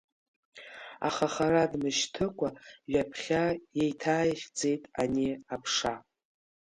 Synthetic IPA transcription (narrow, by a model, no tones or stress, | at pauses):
a̰χaχaɾadmɨʃtʰɨkʷʼaɥapʰχʲajejtʰaːjχʲd͡ze̞jtʼaniapʰʂa